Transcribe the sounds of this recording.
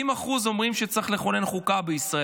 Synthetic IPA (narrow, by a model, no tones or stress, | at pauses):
imaχuzo̞mʁimʃet͡saχle̞χo̞ne̞nχukabeisʁa